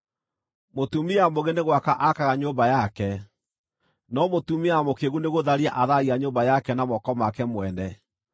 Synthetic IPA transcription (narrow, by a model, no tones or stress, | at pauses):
motumiamoɣeneɣwakaʔakaɣaɲoːmbajakɛ | nɔmotumiamokeɣuneɣoðaɾiaʔaðaiaɲobajakɛnamɔkɔmakɛmwɛnɛ